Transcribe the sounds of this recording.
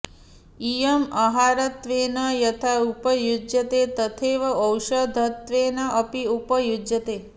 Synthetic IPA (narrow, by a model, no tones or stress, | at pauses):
ijɐmɐɦaːɾɐt̪ʋeːnɐjɐt̪ʰaupəjud͡ʒjɐt̪eːt̪ɐt̪ʰeːʋɐɐwʃɐd̪ʱɐt̪ʋeːnɐʔɐpiupɐjud͡ʒjɐt̪eː